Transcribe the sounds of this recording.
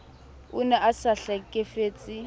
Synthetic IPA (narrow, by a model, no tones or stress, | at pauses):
ʊnɛʔasaɬakʼefeːt͡sʼɪ